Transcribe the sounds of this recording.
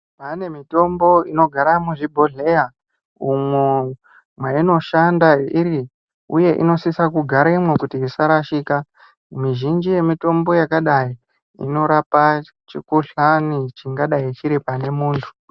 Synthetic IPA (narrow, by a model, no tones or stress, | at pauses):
pane̞mito̞mbo̞ino̞ɡʱaɾamuʐibʱo̞ɮe̞ja | umwe | mwaino̞ʃandaiɾi | uje̞ʔḭno̞sisakuɡʱaɾaimwekutiːsaɾaʃiːka | miʒind͡ʒije̞mito̞mbo̞jakaɗai | ḭno̞ɾapa | t͡ʃikuɬanit͡ʃiŋɡaɗait͡ʃiɾipane̞muːntʰu̥